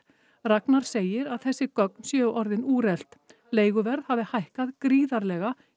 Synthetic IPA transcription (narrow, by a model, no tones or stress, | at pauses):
raknaɾ̥seːjɪɾaðθɛsːɪkœk̚nsjœːʔɔɾðɪnuːɾɛl̥t̪ | leːjɣʏvɛɾðhaːvɪhajhkaðkɾiːðaɾlɛɣa